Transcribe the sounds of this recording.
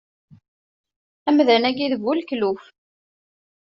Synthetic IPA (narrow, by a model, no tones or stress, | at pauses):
æmðænæɡiðəvːulkluf